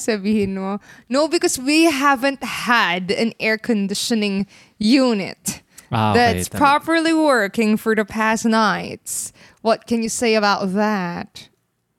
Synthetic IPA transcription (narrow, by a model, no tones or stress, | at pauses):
sɛd̚vihinonoʊbɨkʌzwiɦævɨ̃nt̚hədɨ̰̃nɛɹkʰɨ̃ndɪʃɨ̃nɪ̃ŋ | junɪ̰t̚ | ðɨspʰɹ̥ɑpə˞lˠiwɜ˞kɪ̃ŋfə˞ðɨpʰæsnaɪts | wʌt̚kɨ̃njɨseɪɨβaʊt̪̚ðæt̚